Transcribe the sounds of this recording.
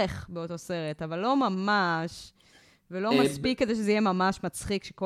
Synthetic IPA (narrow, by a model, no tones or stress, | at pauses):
eχbeoto̞se̞ʁetavalːo̞mamaʃ | velo̞maspikːed̪ejʃ̬ezeijemamaʃmat͡sχikʃeko